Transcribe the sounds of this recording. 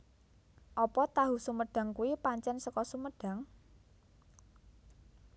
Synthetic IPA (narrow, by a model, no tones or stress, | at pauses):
ʔɔpɔt̪aɦusuməɖ̥ä̤ŋkuipaɲt͡ʃɛnsəkɔsuməɖ̥a̤ŋ